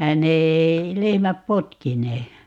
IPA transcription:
ne ei lehmæp potkineː

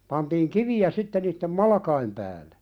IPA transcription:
pɑntiːŋ kiʋiæ sitːe niːtːem mɑlɑkɑim pæːle

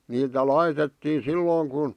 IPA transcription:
niːtæ lɑitetːiː silːoːŋ kun

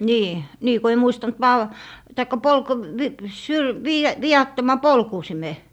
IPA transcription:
niː niː ko ei muistɑnt ʋɑl tɑikːɑ polko ʋ ʋi syl ʋiːɑ ʋiɑtːomɑ polkuˑsime

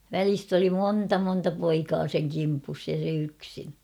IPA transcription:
ʋælist oli moːntɑ montɑ poikɑː seŋ kimpus jɑ se yksin

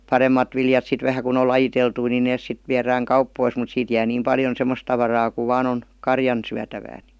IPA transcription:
pɑremːɑt ʋiljɑt sit ʋæhæ kun ol lɑjiteltui ni neːs sit ʋiæræːŋ kɑupːois mut siːt jæː niːm pɑljon semːos tɑʋɑrɑː ku ʋɑːn on kɑrjɑn syætæʋæː n̥i̥

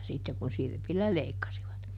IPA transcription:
sitːek kun sirpilːæ leikːɑsiʋɑt

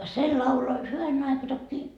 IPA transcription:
se lɑulo hyʋænen ɑikɑ tokːiː

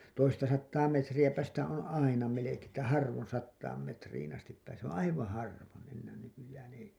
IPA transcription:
toistɑ sɑtːɑː metrijæpæ sitæ on ɑinɑ melekeː tːæ hɑrʋon sɑtːɑːm metriːn ɑstip pæːseː s õː ɑiʋɑ̃ː hɑrʋon̞ enːæːn nykyjæːn ei

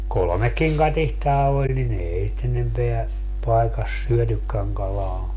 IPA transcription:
kolŏmekːiŋ kɑtihtɑː olʲ nin eːi sit enempeæ pɑekɑs syøtykːæŋ kɑlɑː

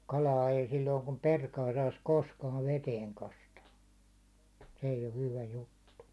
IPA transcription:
kɑlɑː ei silːoiŋ kum perkɑː sɑis koskɑːʋ ʋeteːŋ kɑstɑː se eij o hyʋæ jutːu

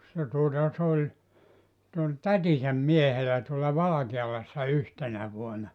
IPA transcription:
se tuotɑ s olʲ se ol tætisæm miehelæ tuolɑ ʋɑlɑkeɑlɑsːɑ yhtenæ ʋuonɑ

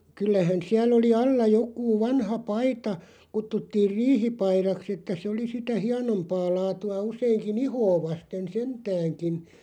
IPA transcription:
kylːæhæn siælˑ oli ɑlːɑ jokˑuː ʋɑnhɑ pɑitɑ kutːutːiːr riːhipɑirɑks etːæ se oli sitæ hiɑnompɑː lɑːtuɑ usˑeːŋkin ihoː ʋɑsten sentæːŋkin

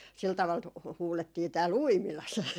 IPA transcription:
sil tɑʋɑl tu huːletːiː tæːl uimilɑs

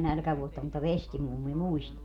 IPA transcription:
nælkæʋuotːɑ mutːɑ ʋestimumːi muist

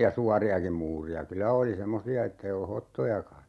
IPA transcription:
jɑ suɑriɑkim̆ muːriɑ kylæ oli semːosiɑ etːei olu hotːojɑkɑ

